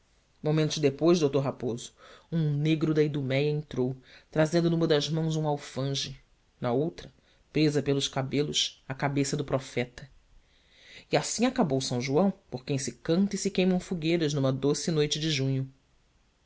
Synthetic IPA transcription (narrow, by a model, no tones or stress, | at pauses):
momẽnt̪ʊʒd̪epojzd̪owt̪oɾɦapozʊ̥ũneɡɾʊd̪ɐid̪umɛjɐẽnt̪ɾowt̪ɾazẽnd̪ʊnũmɐd̪ɐzmɐ̃w̃zũawfɐ̃ʒɪ | nɐowt̪ɾɐ | pɾezɐpelʊʃkabelˠʊʃɐkabesɐd̪ʊpɾɔfɛt̪ɐ | iasĩakabowsɐ̃w̃ʒuɐ̃w̃poɾkẽj̃sɪkɐ̃nt̪ɐisɪkẽj̃mɐ̃w̃fuɡejɾɐznũmɐd̪osɪnojt͡ʃɪd͡ʒɪʒũɲʊ